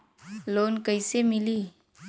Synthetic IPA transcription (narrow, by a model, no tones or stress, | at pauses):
loːnkəɪsemɪliː